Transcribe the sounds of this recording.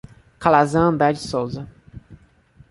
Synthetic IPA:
kalazɐ̃nd̪ɛd͡ʒisowzɐ

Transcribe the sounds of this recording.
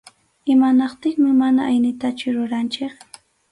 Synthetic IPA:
ɪmanɑqt̪ɪχmɪmanaʔajnɪt̪at͡ʃʊɾʊɾant͡ʃɪχ

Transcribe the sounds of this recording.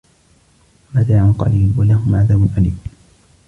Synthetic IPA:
mat̪aʕanqɑ̰liːlwalahʊmʕaðaːbʊnʔanḭːm

